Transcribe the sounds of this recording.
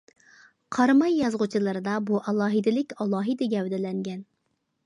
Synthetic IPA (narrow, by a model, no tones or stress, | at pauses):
qʰɑɾmɑjːɑzʁʊt͡ʃʰilˠɨɾɨd̪ɑbuʔɑlˠɑːɦɨd̪ɪlɪkʲɑlˠɑːɦɨd̪ɪɡʲɛwd̪ɪlɛŋɡʲɛn